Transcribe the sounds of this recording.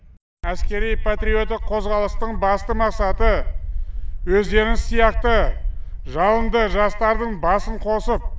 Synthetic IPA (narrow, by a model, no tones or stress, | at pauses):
æskʲe̞ɾijpʰat̪ɾio̞t̪ɪkqʰːo̞zʁɑlˠəst̪əɴbɑst̪əmɑqsɑt̪ə | wɵzd̪e̞ɾɪŋsijɑq̚t̪ə | ʒɑlˠənd̪əʒɑst̪ɑɾd̪əɴbɑsəɴqʰo̞səp̚